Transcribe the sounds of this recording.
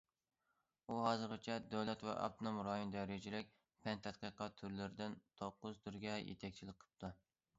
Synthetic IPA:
uɦɑzɨɾqɨt͡ʃʰɛd̪øwlɛt̪vɛ̰ʔɑ̰p̚t̪ʰonomɾɑjond̪ɛɾɪd͡ʒɪlɪk̚ʲ | pʰɛnt̪ʰɛt̪̚qəqɑt̪ʰːyɾlɪɾɪd̪ɪnt̪ʰoqːʊzt̪ʰyɾɡʲɛjḛt̪ʰɛk̚ʲt͡ʃʰilɪk̚qʰə̥p̚t̪ʰu

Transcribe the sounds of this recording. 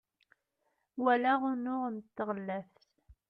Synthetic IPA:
wælæʁʊnʊʁənt̪ːəʁəlːæfθ

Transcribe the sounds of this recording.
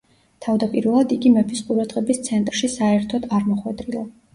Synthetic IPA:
t̪ʰavd̪apʼiɾvɛlˠad̪iɡimɛpʰisqʼuɾad̪ʁɛbist̪sʰɛnt̪ʼɾʃisaɛɾt̪ʰɔd̪aɾmɔχwɛd̪ɾilˠa

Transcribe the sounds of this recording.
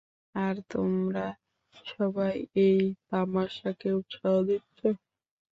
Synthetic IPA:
aɾt̪omɾa | ʃɔbajejt̪amaʃakeut̪ʃaod̪itːɕʰo

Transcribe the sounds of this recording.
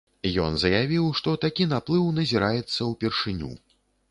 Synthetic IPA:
jɔ̰nzɐjavʲiwʂt̪ɔt̪akʲinaplˠɨwnɐzʲiɾajɛt̪sːɐwpʲɛrʂɨnʲṵ

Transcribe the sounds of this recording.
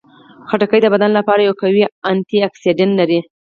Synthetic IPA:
xaʈakəjd̪əbad̪anlapɑɾajawkawiant̪iaksiɖɪnlaɾi

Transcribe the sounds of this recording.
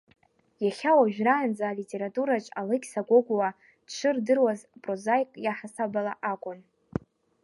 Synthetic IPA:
jaχʲawaʒᶣraand͡zaːlitʲʼe̞ɾatʼuɾat͡ʃʼalɨkʲsaɡʷoɡʷwa | ʈ͡ʂʷʰɨrdɨrwazpʼrozajkʼjaħasabalaʔakʷʼʊn

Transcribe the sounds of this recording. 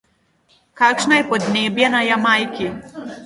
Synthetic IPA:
kaːkʃnajɛpɔd̪neːbjɛnajamajki

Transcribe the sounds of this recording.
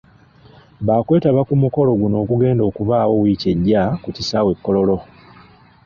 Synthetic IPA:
βaːkwe̞ːtaβakumuko̞lo̞ɡuno̞ːkuɡe̞ːndo̞ːkuβaːwo̞wiːce̞ɟːakucisawe̞kːo̞lo̞lo̞

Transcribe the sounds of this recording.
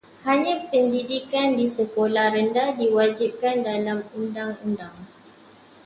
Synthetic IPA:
haɲãpəndidikandisəkolahɾəndadiwad͡ʒip̚kandalamundaŋundaŋ

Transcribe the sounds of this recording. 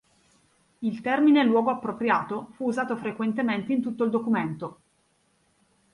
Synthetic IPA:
ilt̪ɛrminelwɔːɡoapːɾopɾjaːt̪ofuːzaːt̪ofɾekwent̪ement̪eint̪ut̪ːoild̪okument̪o

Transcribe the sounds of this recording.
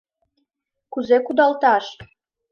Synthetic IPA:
kuzekud̪ɑlt̪ɑʃ

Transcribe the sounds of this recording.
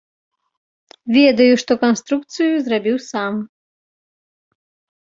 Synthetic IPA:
vʲɛd̪ɐjuʂt̪ɔkanst̪ɾuk̚t̪sɨjuzrabʲiwsam

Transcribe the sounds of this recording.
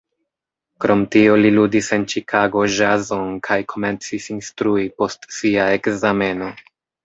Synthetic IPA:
kɾo̞mtio̞liludise̞nt͡ʃikʰaɡo̞ʒazo̞nkʰajkʰo̞me̞nt͡sisinstɾuipo̞stsiaekzame̞no̞

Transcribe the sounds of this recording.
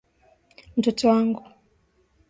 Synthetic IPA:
m̩tɔtɔwaŋɡu

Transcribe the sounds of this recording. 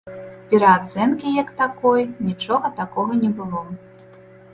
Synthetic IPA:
pʲɛɾɐːd̪zɛnkʲijɐkt̪akɔjnʲit͡ʂɔɣɐt̪akɔɣɐnʲɛbɨlˠɔ

